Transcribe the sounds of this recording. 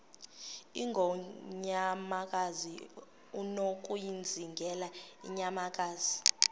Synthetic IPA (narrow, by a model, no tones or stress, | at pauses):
iŋɡʱɔɲamak̬ʼazi | unok̬ʼujind͡zʱiŋɡʱɛlaḭɲamak̬ʼaːzi